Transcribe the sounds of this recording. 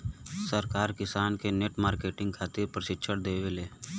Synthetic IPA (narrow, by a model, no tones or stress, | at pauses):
səɾkaːɾkɪsaːnkeneːʈmaːɾkeːʈɪ̃ŋɡ̚kʰaːt̪ɪɾpɾəʃɪtːʃʰəɽd̪eːweleː